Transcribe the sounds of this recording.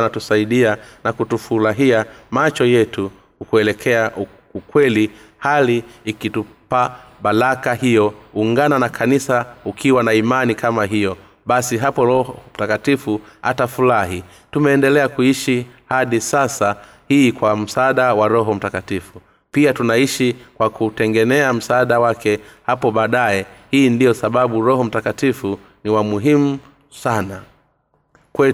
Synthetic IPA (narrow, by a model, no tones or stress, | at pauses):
natusaiɗianakutufuɾaɦiamat͡ʃɔjɛtu | kukuɛlɛkʰɛa | ukwɛli | haliːkitupa | ɓalakahijɔuŋɡananakʰanisaukʰiwanaimanikamaɦijɔ | ɓasiɦapɔɾɔhɔm̩takatifuha̰tafulaɦi | tumɛːndɛlɛakuiʃihaɗisasa | hiːkwam̩saaːɗawaɾɔɦɔm̩takatifu | piatunaiʃikwakutɛŋɡɛnɛam̩saːɗawakʰɛhapɔɓaːɗaɛhiːndijɔsaɓaɓuɾɔɦɔm̩takatifu | niwamuɦimu | sana | kwɛ